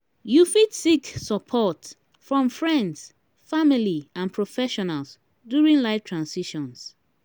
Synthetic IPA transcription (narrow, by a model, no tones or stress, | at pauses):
jufitsiksɔpʰɔt | fɹɔ̃mfɹɛ̃nds | familiãnpʰɹɔfɛʃɔnals | djuɹĩŋlaɪftʰɹãnsiʃɔ̃ns